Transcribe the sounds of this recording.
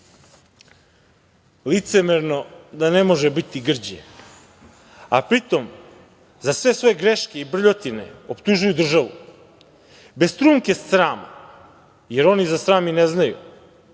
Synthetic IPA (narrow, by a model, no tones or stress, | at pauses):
lit̪se̞meɾno̞d̪ane̞mo̞ʒebit̪iɡr̩d͡ʑḛ | apɾit̪o̞m | zasʋe̞sʋo̞jeɡɾeʃkeibr̩ʎo̞t̪ine̞̰o̞pt̪uʒujud̪r̩ʒaʋṵ | be̞st̪ɾuːmkessɾaːma̰ | je̞ɾo̞nizasɾaːmineznajṵ